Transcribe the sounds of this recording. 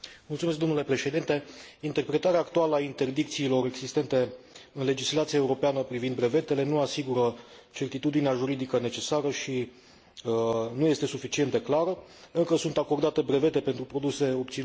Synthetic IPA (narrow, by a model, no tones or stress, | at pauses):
mult̪sumesk̚d̪o̞nule̞pɾe̞ʃe̞d̪int̪e̞int̪e̞rpɾe̞t̪aɾeaːkt̪ualəaint̪e̞rd̪ik̚t̪siːlo̞ɾe̞ɡzist̪e̞nt̪e̞ɨnle̞d͡ʒislat̪siaeuɾo̞peanəpɾivind̪bɾe̞ve̞t̪e̞le̞nuasiɡuɾə | t͡ʃe̞rt̪it̪ud̪ineaʒuɾid̪ikəne̞t͡ʃe̞saɾəʃi | nuje̞st̪e̞sufit͡ʃient̪d̪e̞klaɾə | ɨŋkəsunt̪ako̞rd̪at̪e̞bɾe̞ve̞t̪e̞pe̞nt̪ɾupɾo̞d̪use̞o̞p̚t̪sin